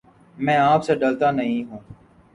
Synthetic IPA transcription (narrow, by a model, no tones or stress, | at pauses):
mɛ̃ːaːpseɖəlt̪aːnəɦĩːɦũː